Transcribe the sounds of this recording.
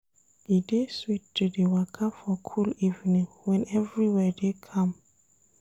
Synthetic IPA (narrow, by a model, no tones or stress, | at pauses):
dideswittːudewakʰafɔkʰulivnĩŋ | wɛ̃nɛvɹiwɛdekʰãm